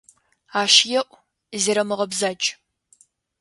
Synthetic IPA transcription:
aːʃjɛʔʷʼ | zeːɾɐmɨʁɐbzat͡ʃʼ

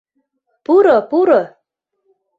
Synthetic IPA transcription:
puɾɔpuɾɔ

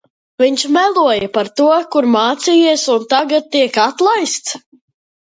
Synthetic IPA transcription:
viɲʃmɛlˠuɔjapaɾt̪uɔkuɾmaːt̪sijiɛsunt̪aɡat̪̚t̪ːiɛkat̪lˠajst̪s

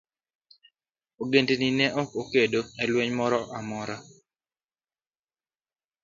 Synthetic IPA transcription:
oɡendeninɛʔɔkokedoɛlweɲmɔɾɔʔamɔɾa

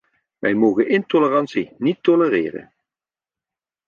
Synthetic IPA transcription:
ʋɛjmoːɣənɪntolərɑnsinitːɔlərɪːrə̰n

